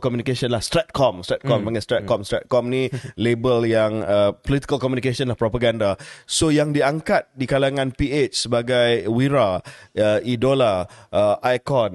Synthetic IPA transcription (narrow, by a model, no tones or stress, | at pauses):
kɔmjunikesɔnlahst̪ɾɛt̪̚kʰɔmstɾɛt̪̚kɔmbaŋast̪ɾɛt̪̚kɔmstɾɛt̪̚kɔmnĩlebəljaŋəpolit̪i̥kəlkɔmjunikesɔnlahpɾɔpaɡandasojaŋdiaŋkat̪̚dikalaŋãnpiet͡ʃsəbaɡajwiɾaəidolaʔəʔajkɔn